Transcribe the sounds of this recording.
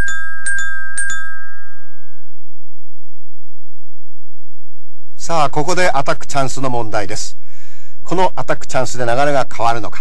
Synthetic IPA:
saːko̞ko̞d̪e̞ʔat̪akːɯ̟̥t͡ɕãɰ̃sɨno̞mõ̞nd̪aid̪e̞sɨ̥ | kʰo̞no̞ʔat̪akːɯ̟̥t͡ɕãɰ̃sɨd̪e̞naɡaɾe̞ɡakʰaβaɾɯ̟no̞kḁ

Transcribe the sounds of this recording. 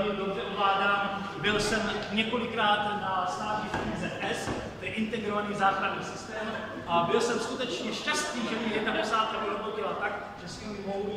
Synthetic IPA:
imdotɛvlaːdaːm | bɪlsɛmɲɛko̞lɪkɾaːt̪nast̪aːt̪ɲipɛɲiːzɛʔɛs | t̪ɛdɪʔɪnt̪ɛɡɾovaniːzaːxɾadniːsɪst̪ɛːm | ʔabɪlsɛmskut̪ɛt͡ʃɲɛʃcast̪niːʒɛbɪjɛtadɛsaːt̪ɛɦoɾokowbɪlat̪ak | ʒɛsimmow

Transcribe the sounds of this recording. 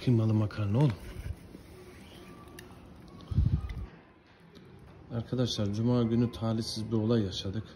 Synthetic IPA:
kʰɯmalˠɯmakʰaɾnolˠ | aɾkʰad̪aʃlˠaɾd͡ʒumaːɟʲynyt̪ʰaːlʲisizbio̞lˠajːaʃad̪ɯk

